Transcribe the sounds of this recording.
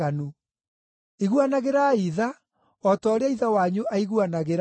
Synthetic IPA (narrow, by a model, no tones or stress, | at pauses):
anu | iɣwanaɣeɾaiða | ɔtɔːɾeaiðawaɲuʔaiɣwanaɣeɾ